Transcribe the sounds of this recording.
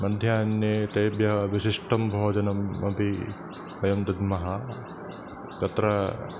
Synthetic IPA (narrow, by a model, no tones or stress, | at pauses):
mɐd̪ʱjaːnjeːt̪ɐjbjɐʋiʃiʂʈʰɐmbʱoːd͡ʒɐnɐmɐbʱi | ɐjɐmt̪ɐd̪mɐɦɐ | t̪ɐt̪ɾɐ